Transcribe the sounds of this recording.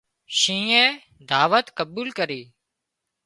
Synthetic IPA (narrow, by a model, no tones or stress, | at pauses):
ʃĩːẽː | d̪ʱaːʋət̪kəbuːlkəɾiː